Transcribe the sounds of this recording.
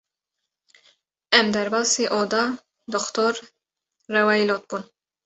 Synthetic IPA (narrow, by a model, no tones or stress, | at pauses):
ɛmd̪ɛɾbɐsiʔɔːd̪ɐ | d̪ɔkt̪ɔɾː | ɛwɐjlɔt̪̚bun